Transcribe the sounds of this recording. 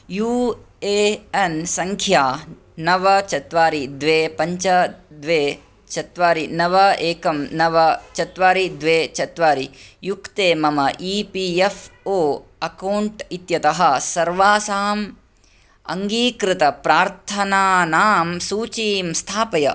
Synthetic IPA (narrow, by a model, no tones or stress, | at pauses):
juːeːɐnsɐŋkʰjaː | nɐʋɐt͡ʃɐt̪ʋaːɾid̪ʋeːpɐɲt͡ʃɐd̪ʋeː | t͡ʃɐt̪ʋaːɾinɐʋɐeːkɐmnɐʋɐt͡ʃɐt̪ʋaːɾid̪ʋeːt͡ʃɐt̪ʋaːɾijukt̪eːmɐmɐʔipiefoːɐkɐwɳʈit̪jɐt̪ɐɦɐ̆sɐɾʋaːsaːm | ɐ̰ŋɡiːkɾɪt̪ɐpɾaːɾt̪ʰɐnaːnaːmsuːt͡ʃiːmst̪ʰaːpɐjɐ̰